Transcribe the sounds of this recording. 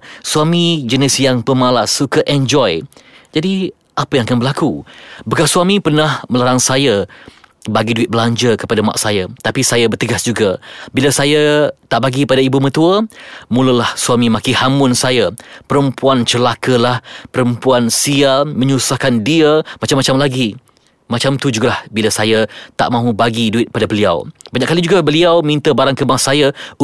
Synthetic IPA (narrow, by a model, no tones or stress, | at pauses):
suamid͡ʒənɪsjaŋpəmalasːukəʔɛnd͡ʒɔjd͡ʒadi | ʔapəjãŋakanbəlakubəkasuamĩpərnahməlaɾaŋsajə | baɡiduɪt̪̚bəlaɲd͡ʒəkəpadama̰ʔsajat̪apisajabərt̪əɡasd͡ʒuɡabilasajat̪aʔbaɡiəpadaibumət̪uəmũləlahsuamĩmakihamʊnsajapəɾəmpuant͡ʃəlakəlahpəɾəmpuansiamə̃ɲusahkandiəmat͡ʃamːat͡ʃamlaɡi | mat͡ʃamt̪ud͡ʒuɡalahbilasajat̪a̰ʔmãɦubaɡiduɪt̪̚padabəlia̰wbaɲaʔkːalid͡ʒuɡabəliawmint̪əbaɾaŋkəmasajau